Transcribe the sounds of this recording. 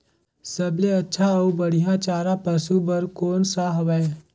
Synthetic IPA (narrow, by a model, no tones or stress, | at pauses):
səbleɐtːʃʰaəubəɽ̤ijãt͡ʃaːɾapəsubəɾkoːnsaɦʋa